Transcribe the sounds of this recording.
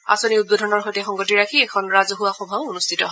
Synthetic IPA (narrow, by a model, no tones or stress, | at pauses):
a̰soniut̚bodʱɔnɔɹxɔjtɛxɔŋɡotiɹakʰiɛkʰɔnɹazɔɦuwaxɔbʱaonustʰitɔɦ